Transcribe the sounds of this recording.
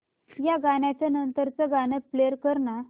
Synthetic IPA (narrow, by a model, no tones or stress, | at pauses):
jaɡaɳjat͡ɕjanənt̪əɾt͡səɡañəpleəɾkəɾɳa